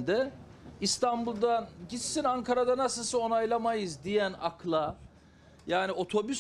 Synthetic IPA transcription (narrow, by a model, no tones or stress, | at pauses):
nd̪ɛ | ist̪ʰanbulˠd̪aɟisːinaŋkʰaɾad̪anasɯlˠsɯo̞najlˠamajɯzd̪ijæna̰kʰlˠa | jaːnio̞t̪ʰo̞bys